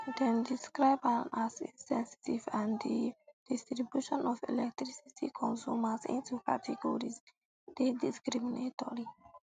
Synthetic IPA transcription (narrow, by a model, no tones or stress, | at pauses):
dɛ̃ndiskɹaɪbãnasĩsɛ̃nsi̥tivãndid̥istɾibjuʃɔ̃nɔfɛ̰lɛk̚tɾisitʰḭkʰɔ̃nsumasḭ̃ntukatʰɛɡɔɹis | dediskɾiminetɔɹi